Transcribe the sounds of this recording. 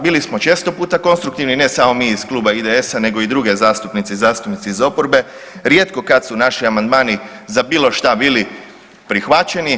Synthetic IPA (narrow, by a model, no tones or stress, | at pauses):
biːlismo̞t͡ʃe̞st̪o̞puːt̪ako̞nst̪ɾukt̪iʋnine̞samo̞miːisklˠuːbaid̪eesane̞ɡo̞id̪ɾuɡe̞zaːst̪upnit̪sizaːst̪upnit̪siizo̞poɾbe̞ | ɾje̞ːt̪ko̞kat̪sunaʃiamand̪maːnizabiːlˠo̞ʃt̪abiːli | pɾixʋat͡ʃe̞ni